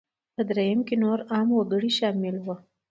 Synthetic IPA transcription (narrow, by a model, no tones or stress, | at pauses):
pəd̪ɾejamkenoɾɑmwəɡəɽiʃɑmɪlwə